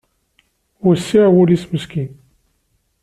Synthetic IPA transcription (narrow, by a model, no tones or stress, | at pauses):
ʊɾsːiʕwʊlisməskin